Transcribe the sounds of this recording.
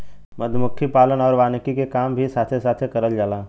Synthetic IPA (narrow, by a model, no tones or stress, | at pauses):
məd̪ʱjəmʊkʰjipaːlənɔːɾʋaːnɪkikekaːmbʱisaːt̪ʰesaːt̪ʰekɐɾəld͡ʒaːlaː